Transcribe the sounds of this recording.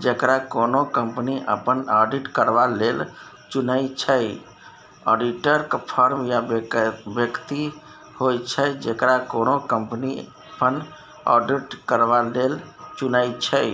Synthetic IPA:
d͡ʒekɾakonokəmpniʔə̰pənɔɖiʈkəɾbalel | t͡ʃunəjt͡ʃʰəj | ɔɖiʈəɾkpʰəɾmja | bjəkt̪i | hojt͡ʃʰəd͡ʒekɾakonokəmpniəpən | ɔ̰ɖiʈkəɾbalelt͡ʃunəjt͡ʃʰəj

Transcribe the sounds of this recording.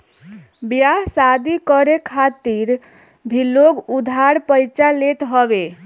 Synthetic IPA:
bjasad̪ikəɾekʰat̪iɾ | bʱiloɡud̪ʱaɾpəjt͡ʃalet̪ɦəbe

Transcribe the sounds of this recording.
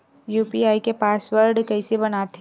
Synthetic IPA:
juːpiaːikepaːsʋəɾɖkɐɪsebɐnaːt̪ʰ

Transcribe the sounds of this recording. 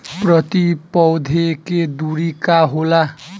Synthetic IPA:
prʌt̪ipɔwd̪ʱeked̪uɾikaɦola

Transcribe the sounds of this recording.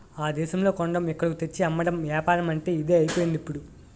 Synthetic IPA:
aːd̪ɛːʃɐmlo̞ːkoɳɖɐmɛkːɐɽkut̪et͡ʃːiɐmːɐɽɐmʋaːpaːɾɐmɐɳʈe̞ːid̪e̞ːɐjipoːjind̪ipːuɽu

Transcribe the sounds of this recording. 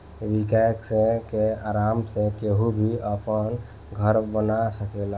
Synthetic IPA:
ʋikajəksẽkeaːɾaːmsẽkeɦubʱiəpən | ɡʱəɾbənasəkela

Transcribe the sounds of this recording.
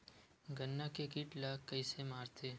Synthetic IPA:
ɡɐnːakekiʈlakːɐisemaːɾt̪ʰeː

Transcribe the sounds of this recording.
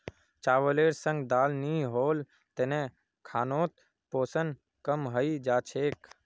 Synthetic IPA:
t͡ʃaːʋəleːɾsə̃ŋɡd̪aːlniɦoːl | t̪enẽ | kʰaːnoːt̪̚ | poːsən | kəmɦəid͡ʒaːt͡ʃʰeːk

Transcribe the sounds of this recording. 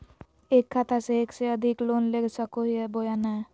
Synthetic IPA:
eːkʰːat̪ʰaseeːkseəd̪ʱɪkloːnleːɡsəkoɦiɦɛbojanɛ̃

